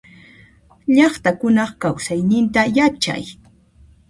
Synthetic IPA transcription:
ʎɑχt̪akʊnɑχkawsajnɪnt̪ajat͡ʃa̰j

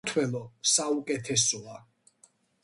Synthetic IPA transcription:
t̪ʰwɛlˠɔsaukʼɛt̪ʰɛsɔa

